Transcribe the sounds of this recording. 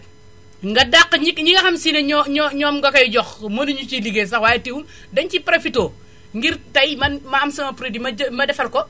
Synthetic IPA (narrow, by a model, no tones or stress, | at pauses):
ŋɡɐdaqːɲikɲiŋɡɐxɐmsinɐɲɲɔɲɔːmɡɐkɐjɟɔxmɐnuɲut͡ʃiliɡes̬ɐxwaːjɛtiwun | dɐncipɾɐfitoː | ŋɡiɾtɐjmɐnmɐɐmsɐmɐpɾidimɐmɐdɛfɐlkɔ